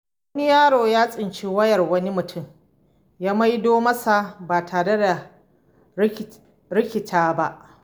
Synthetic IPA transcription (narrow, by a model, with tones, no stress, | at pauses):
wɐ˦ni˦jaː˦ɽoː˨jaː˦sʼɪ˨nt͡ʃi˦wɐ˦jɐ˨rwɐ˦ni˦mʊ˨tʰʊ˦˨m | jaː˦mɐ˦jdoː˦mɐ˦sa˨baː˨tʰaː˨ɾe˦da˨˦ | ɾɪ˦kʲɪ˨tʰaː˦ba˦ʔ